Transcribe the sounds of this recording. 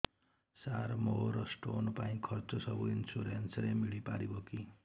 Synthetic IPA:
saɾmoɦoɾʌsʈonpaĩkʰʌrt͡sosʌbuinsuɾensɾemiɭipa̰ɾiboki

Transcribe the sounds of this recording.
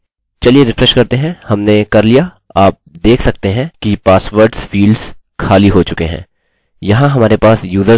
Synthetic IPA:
t͡ʃɐlieɾɪfɾɛʃkɐɾt̪eɦɛ̃hɐmnekɐɾlija | aːp̚d̪eːkʰsɐk̚t̪eɦɛ̃kipaːsʋəɾɖsfiːlɖz̥ | kʰaːliɦot͡ʃʊkeɦɛ̰̃ː | jɐɦãɦɐmaːɾepaːsjuːzə

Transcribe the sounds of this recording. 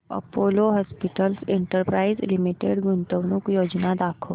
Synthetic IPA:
ɐ̰poːloɦɔːspɪʈəlsẽɳʈəɾpɾaːɪzlɪmiʈeɖɡʊnt̪əʋnʊkjoːd͡ʒnad̪aːkʰə

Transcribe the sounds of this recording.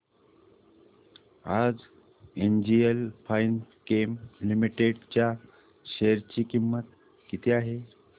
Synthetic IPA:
ad͡z | end͡ʑielpainkemlimiʈeɽt͡ɕja | ɕeəɾt͡ɕiːkimːət̪ | kit̪ʰeaɦe

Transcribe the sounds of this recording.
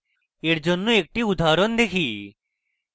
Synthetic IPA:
eɾd͡ʒɔnːũek̚ʈiʊd̪ʱaːɾɔnd̪ekʰiː

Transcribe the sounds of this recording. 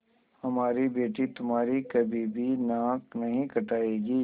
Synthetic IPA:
hɐmaːɾibeːʈit̪ʊmɦaːɾikɐbʱibʱinãːknɐɦĩkɐʈaːeːɡiː

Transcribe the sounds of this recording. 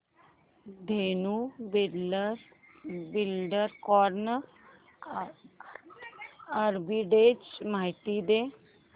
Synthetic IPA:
d̪eːnuːb | bɪlɖəɾkɔːɾn | aɾbiːɖeːd͡ʒmaːiʈiːd̪eː

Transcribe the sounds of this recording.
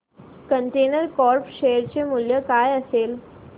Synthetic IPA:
kəɳʈenəɾkɔɾpɕejəɾt͡ɕemuljəkajəsel

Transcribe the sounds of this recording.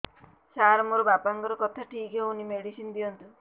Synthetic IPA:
saɾmoɾobapaŋkɔɾɔkɔt̪ʰaʈʰikɦeunimeɽisind̪iɔnt̪u

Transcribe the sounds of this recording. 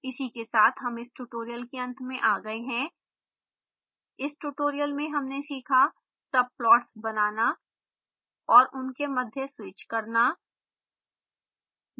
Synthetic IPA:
ɪsikesaːt̪ʰɦɐmɪsʈuːʈoːɾijəlkeɐ̃nt̪ʰmẽʔaːɡɐeɦɛ̃ː | ɪsʈuːʈoːɾijəlmẽɦɐmnesiːkʰa | sɐb̚plɔːʈsbɐnaːna | ɔːɾʔʊnkemɐd̪ʱjəswɪːt͡ʃkɐɾnaː

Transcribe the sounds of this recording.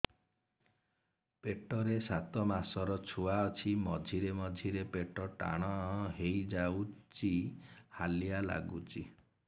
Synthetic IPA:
peʈɔɾesat̪ɔmasɔɾɔt͡ʃʰuaɔt͡ʃʰimɔd͡ʒʱiɾemɔd͡ʒʱiɾepeʈɔʈa̰ɽ̃ɔɦɔɦejd͡ʒawt͡ʃihaliala̰ɡut͡ʃi

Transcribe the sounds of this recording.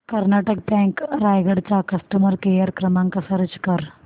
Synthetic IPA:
kɐɾnaʈək̚pɛ̃ŋkɾajɡəɽt͡sakɐsʈəməɾkejəɾkɾɐmaŋkasɐɾt͡ʃkɐɾ

